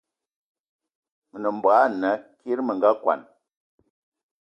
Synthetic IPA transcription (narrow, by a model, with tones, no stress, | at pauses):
mə˨nə˨m̩˨bwa˨˦˨nə˨˦kʰe˦ɾmə˨ŋɡa˦kwa̰˨n